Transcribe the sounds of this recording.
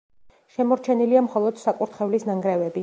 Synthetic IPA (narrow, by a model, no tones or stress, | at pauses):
ʃɛmɔɾt͡ʃʰɛniliamχɔlˠɔd̪̥sakʼuɾt̪ʰχɛvlisnaŋɡɾɛvɛbi